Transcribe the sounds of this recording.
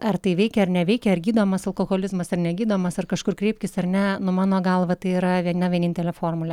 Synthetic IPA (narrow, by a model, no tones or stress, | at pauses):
ɐrt̪ɐɪʋʲɛɪkʲɛɐrnʲɛʋʲɛɪkʲɛɐrɡʲiːd̪oːmɐsɐlˠkoːɣoːlʲɪzmɐsɐrnʲɛɡʲiːd̪oːmɐsɐrkɐʃkʊrkɾʲeːpʲkʲɪsɐrnʲɛnʊmɑːnoːɡɐlˠʋɐt̪ɐɪiːɾɐʋʲiɛnɐʋʲiɛnʲɪnʲt̪ʲɛlʲɛfoːrmʊlʲɛ